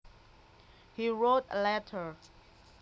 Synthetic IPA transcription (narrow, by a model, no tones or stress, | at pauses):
hiɹotə̰lɛtʰə˞